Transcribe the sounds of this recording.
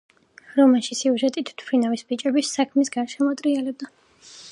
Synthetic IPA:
ɾɔmaʃisiuʒɛt̪ʼit̪ʰt̪ʰpʰɾinavisbit͡ʃʼɛbisːakʰmisɡanʃɛmɔt̪ʼɾialɛb̚d̪a

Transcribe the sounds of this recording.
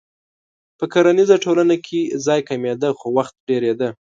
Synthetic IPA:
pəkaɾanizaʈolanakʰezɑjkamed̪əxowaxt̪̚ɽeɾed̪ə

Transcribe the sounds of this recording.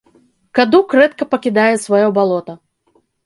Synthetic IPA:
kad̪ukɾɛt̪̚kɐpɐkʲid̪ajɛsvajɔbalˠɔt̪ɐ

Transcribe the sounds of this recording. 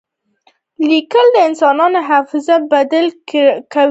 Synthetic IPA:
likəld̪əɪnsɑnɑnoɦafɪzabad̪alka

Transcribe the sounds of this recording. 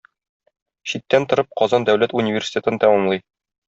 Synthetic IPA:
ɕit̪ːænt̪ŏɾɤp̚qɒzɑnd̪æwlæt̪unʲivʲersʲi̥tʲe̞t̪ɤnt̪æmɒmlˠɤj

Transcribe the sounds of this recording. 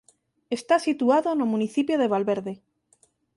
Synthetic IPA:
est̪asit̪uaðonomũniθipjoðeβ̞alβeɾðe

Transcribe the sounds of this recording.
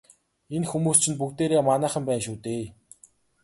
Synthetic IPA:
enxumuːst͡ɕʰɪ̆np̬uk̚t̪eːɾeːmanæːχə̆mpæːnʃuːt̪eː

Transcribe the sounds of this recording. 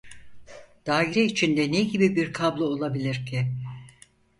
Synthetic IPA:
d̪̥aːiɾɛit͡ʃʰind̪ɛneɟibibiɾkʰablˠɯo̞lˠabilʲiɾcʰi

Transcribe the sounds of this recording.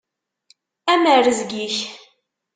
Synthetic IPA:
æməɾəzɡiç

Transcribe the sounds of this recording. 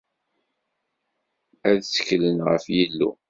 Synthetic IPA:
æðsə̥çlənʁə̰fjilːṵ

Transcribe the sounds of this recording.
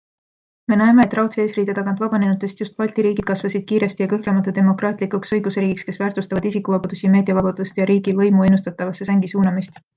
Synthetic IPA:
me̞næeme̞ːt̪ːˑrɑwt̪seeːsriːd̪̥et̪ɑɡ̥ɑnt̪vɑbɑne̞nut̪ːˑe̞st̪just̪̚pɑlʲt̪iɾiːɡ̥id̪̥kɑsvɑsid̪̥̚kiːɾe̞st̪ijɑkɤhlemɑt̪ːˑɑd̪̥e̞mo̞krɑːt̪ˑlikˑuksɤjɡ̥useɾiːɡ̥ikske̞svæːrt̪ust̪ɑvɑd̪isikːˑuvɑbɑd̪usijme̞ːd̪̥iɑvɑb̥ɑd̪̥ust̪jɑɾiːɡivɤjmue̞nust̪ɑt̪ːˑɑvɑsːe̞sæŋɡ̥isuːnɑmist̪

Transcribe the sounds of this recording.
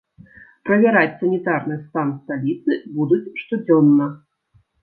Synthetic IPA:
pɾɐvʲaɾat͡sʲsɐnʲit̪arnɨst̪ansalʲit̪sɨbud̪ut͡sʲʂt̪ɔd͡zʲɔnːɐ

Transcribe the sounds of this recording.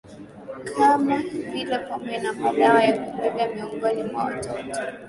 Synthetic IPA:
kʰamapilɛkamɛnamaɗaajakupɛɡamiɔŋɡɔnimwa̰tɔ

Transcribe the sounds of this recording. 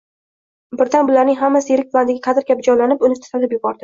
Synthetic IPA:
bɪɾd̪anbʊlaɾnɪŋɦamːasɪjeɾɪk̚ʲpʰlˠand̪ɪɡʲaqʰɑd̪ɪɾkʲʰapd͡ʒɒjlanɪpʊnɪt̪ʰɪ̥salɪpjʊbɒɾd̪ɪ

